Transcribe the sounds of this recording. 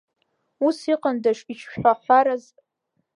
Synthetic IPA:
usiqʼandaʂit͡ʃʰʃħʷaħʷaɾaz

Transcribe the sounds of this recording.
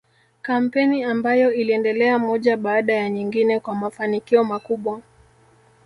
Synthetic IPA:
kam̩pɛniambajɔiliɛndɛlɛamɔʄaɓaːɗajaɲiŋɡinɛkwamafanikiɔmakuɓwa

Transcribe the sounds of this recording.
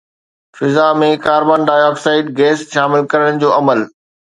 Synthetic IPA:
fɪzamẽkaːɾbaːnɖaːjɔːksaːɪɖ̚ɡeːsʃaːmɪlkɐɾəɽ̃ɽ̃ɪ̆d͡ʑoːɐməl

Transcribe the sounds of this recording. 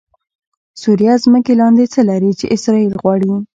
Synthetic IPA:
suɾijazməkelɑnd̪et͡səlaɾit͡ʃḛʔɪsɾɑilɣwɑɽi

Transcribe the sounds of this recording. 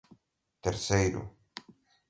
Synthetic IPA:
t̪eɾsejɾʊ̰

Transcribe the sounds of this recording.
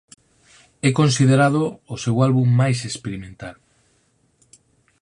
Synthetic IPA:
ɛkonsiðeɾað̞oːsewalβumːajsespeɾimẽnt̪al

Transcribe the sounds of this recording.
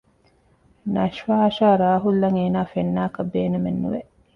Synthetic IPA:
nɐʃʋaːʃaːɾaːɦulːɐŋeːnaːfenːaːkɐbeːnemenːṵʋeʔ

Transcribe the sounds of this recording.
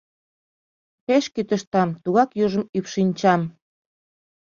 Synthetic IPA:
peʃkyt̪əʃt̪ɑmt̪uɣɑkjuʒə̆mypʃinʲt͡ɕɑm

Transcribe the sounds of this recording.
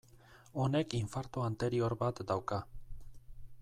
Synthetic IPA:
o̞ne̞kiɱfaɾt̪oant̪e̞ɾio̞ɾbat̪d̪awka

